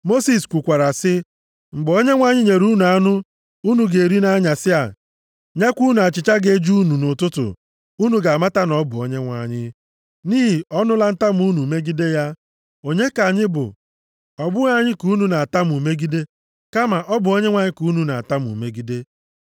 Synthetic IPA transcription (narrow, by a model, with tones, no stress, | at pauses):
mo˦si˨skʷu˨kʷa˨ɾa˨sɪ˦ | ŋ͡m̩˨ɡ͡bo˦ɲe˦ŋʷa˨ɲɪ˦ɲe˨ɾu˦nu˨a˦nʊ˦ | u˦nu˨ɡe˨ɾi˦na˦ɲa˨sɪ˦a̰˨ | ɲa˦kʷu˦nu˨a˨t͡ʃɪ˨t͡ʃa˦ɡe˦d͡ʒu˦nu˨nʊ˨tʊ˦tʊ̰˨ | u˦nu˨ɡa˨ma˦ta˦nɔ˦bʊ˨o˦ɲe˦ŋʷa̰˨ɲɪ˦ | niː˦ɦi˨ɔ˦nʊ˦la˦n̩˦ta˦mu˦nu˨me˦ɡi˦de˦ja˦ | o˨ɲe˦ka˨ɲɪ˦bʊ̰˨ | ɔ˨bʊ˦a˨ɲɪ˦ku˦nu˨na˨a˨ta˦m˨u˨me˦ɡi˦de˦ | ka˦ma˨ʔɔ˦bʊ˨o˦ɲe˦ŋʷa˨ɲɪ˦ku˨˦nu˨na˨a˨ta˦mṵ˨me˦ɡi˦de˦